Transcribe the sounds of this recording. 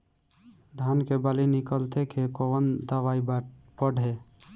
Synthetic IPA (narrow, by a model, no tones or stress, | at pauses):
d̪ʱankebalinikəlt̪ʰekʰekoənd̪əʋaib | pəɖɦe